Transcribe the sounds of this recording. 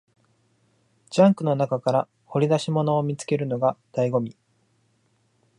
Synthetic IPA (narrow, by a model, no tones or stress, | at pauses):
d͡ʑãŋkɯ̟no̞nakakaɾa | ho̞ɾʲid̪aɕimo̞no̞ːmʲit͡sɨ̥ke̞ɾɯ̟no̞ɡad̪̥aiɡo̞mʲi